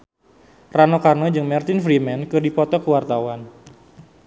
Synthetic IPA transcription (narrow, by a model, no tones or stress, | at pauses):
ranokarnɔd͡ʒɨŋmɛrt̪ɪnfɾimɛnkɨrdipɔt̪ɔkəwart̪awan